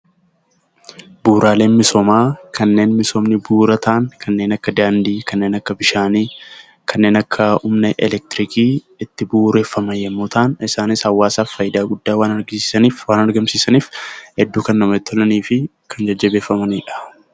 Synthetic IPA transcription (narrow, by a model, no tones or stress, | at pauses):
buːɾʔaːle̞ːnmɪsomaːkʰɐnːe̞ːnmɪsoːmnɪbuːɾɐt̪ʰaːŋkʰɐnːe̞ːnɐkːɐd̪aːnd̪iːkɐnːe̞ːnɐkːɐbɪʃaːniː | kʰɐnːe̞ːnɐkʰːɐʊmnɛʔɛlɛk̚t̪ɪɾɪkiː | ɪt̪ːɪbuːɾe̞ːfːɐmɐjɛmːoːt̪aːnɪsaːnɪshɐwːaːsaːffːɐjɪd̪aːɡʊd̪ːaːwaːnɐɾɡɪsɐniːfwaːnɐɾɡɐmsiːsɐniːfhɛd̪ːuːkɐnːɐmɐɛt̪ːɔlɐniːfɪ | kʰɐnd͡ʒɐd͡ʒːɐbe̞ːfːɐmɐniːᶑɐ̥